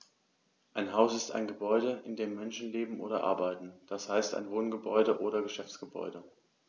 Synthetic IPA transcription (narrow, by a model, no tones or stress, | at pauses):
ʔaɪnɦaʊsɪsta̰ɪnɡəbɔʏdəʔɪndeːmːɛnʃn̩leːbm̩ʔo̰ːɾɐ̰ʔa̰ɐbaɪtn̩d̥ashaɪsta̰ɪnvoːnɡəbɔʏdəʔoːɾɐɡəʃɛft͡sɡ̥əbɔ̰ʏdə